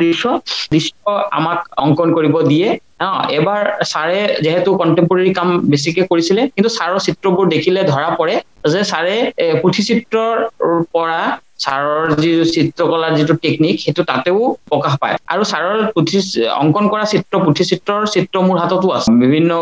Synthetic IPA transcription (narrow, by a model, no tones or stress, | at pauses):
disɔdisɔa̰makɔ̰ŋkɔnkoɹibɔdijɛ | ɔ̃ɛbaɹsaɹɛziɦɛtʊkɔntɛmpuɹeɹikambes̬ikɛkoɹisilɛkintusaɹɔɹsitɹɔbʊɹdekʰilɛdʱɔɹapɔɹɛzɛsaɹɛputʰisitɹɔɹpɔɹa | saɹɔɹzisitɹɔkɔlaɹzituteknikxetutateʊpɔkaxpa̰ja̰ɹusaɹɔɹputʰiɔ̰ŋkɔnkɔɹasitɹɔpɹutʰisitɹɔɹsitɹɔmʊɹɦatɔtʊasɛbibʱinːɔ